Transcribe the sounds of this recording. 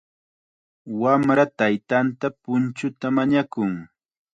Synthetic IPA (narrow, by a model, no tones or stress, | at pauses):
wamɾat̪ajt̪ant̪apʊnt͡ʃʊt̪amaɲakʊŋ